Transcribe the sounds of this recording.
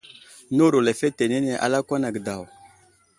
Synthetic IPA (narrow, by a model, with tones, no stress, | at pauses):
nu˦ɾu˨le˨fe˦te˨ne˦ne˨ʔa̰˨la˦kʷa˦na˨ɡə˨da˨w